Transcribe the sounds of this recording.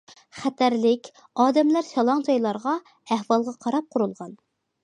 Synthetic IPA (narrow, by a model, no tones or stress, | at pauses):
χɛt̪ʰæɾlɪkʲ | ɑːd̪ɛmlæɾsɑlˠɑŋd͡ʒɑjlˠɑɾʁɑ | æhwɑlˠʁɑqʰɑɾɑp̚qʰʊɾulˠʁɑn